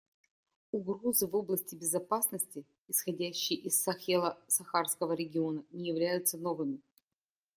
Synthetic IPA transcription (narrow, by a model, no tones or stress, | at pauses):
ʊɡɾo̞zɨvo̞blˠəsʲtʲɪbʲɪzɐpasnəsʲtʲɪ | ɪsxɐdʲæɕːɪjəʔɪsɐxelˠəsɐxarskəvəɾʲɪɡʲɪo̞nənʲɪjɪvlʲæjʊt̪səno̞vɨmʲɪ